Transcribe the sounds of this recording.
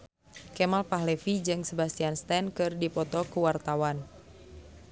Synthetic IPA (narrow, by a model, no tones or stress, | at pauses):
kɛmalpaɦlɛfid͡ʒɨŋsəbast̪ianst̪ɛnkɨrdipɔt̪ɔkuwart̪awan